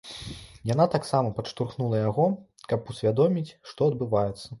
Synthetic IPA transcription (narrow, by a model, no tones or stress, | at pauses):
jan̪at̪aksamɐpɐʂt̪urxnulˠɐjaɣɔ | kɐpusʲvʲad̪ɔmʲit͡sʲʂt̪ɔɐd̪̚bɨvajɛt̪sːɐ